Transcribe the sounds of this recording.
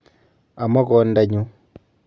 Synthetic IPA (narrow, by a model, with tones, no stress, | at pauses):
a˨mɔ˦kɔ˨˦nda˦ɲu˦